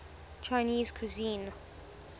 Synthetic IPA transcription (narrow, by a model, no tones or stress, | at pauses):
t͡ʃʰaɪniːz̥kʰuzĩn